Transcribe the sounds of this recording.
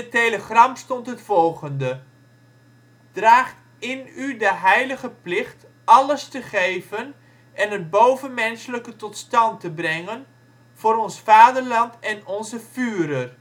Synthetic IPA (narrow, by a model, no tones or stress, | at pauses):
əteləχrɑmstɔntɦətfɔlˠɣəndə | d̥raːχt | ɪnydəɦɛjləɣəplɪχt | ʔɑləstəχejvən | ɛnət̚bowvənmɛnsələkətɔtstɑntəbrɛŋən | v̥ʊːɾɔnsfaːdərlɑntɛnɔnzəfyːɾər